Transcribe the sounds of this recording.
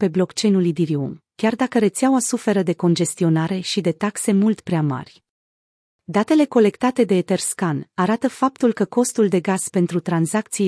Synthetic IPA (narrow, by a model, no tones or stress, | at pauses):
pe̞blo̞kt͡ʃe̞jnulid̪iɾiṵmkʲard̪akəɾe̞t̪seawasufe̞ɾəd̪e̞ko̞nd͡ʒe̞st̪io̞naɾe̞ʃid̪e̞t̪akse̞mult̪pɾeama̰rʲ | d̪at̪e̞le̞ko̞le̞kt̪at̪e̞d̪e̞ːt̪e̞rskanaɾat̪əfapt̪ulkəko̞st̪uld̪e̞ɡaz̥pe̞nt̪ɾut̪ɾanzakt̪si